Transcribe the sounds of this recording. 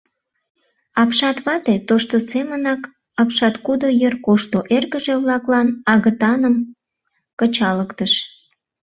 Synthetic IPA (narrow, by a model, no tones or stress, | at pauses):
ɑpʃɑt̪βɑt̪et̪oʃt̪osemənɑk | ɑpʃɑt̪kud̪ojərkoʃt̪oʔerɣəʒeβlɑklɑnɑɣət̪ɑnəm | kət͡ɕɑləkt̪əʃ